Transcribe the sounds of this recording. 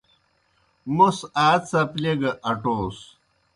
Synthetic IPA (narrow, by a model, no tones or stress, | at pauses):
musaːt͡sɐpleɡɐʔɐʈoːs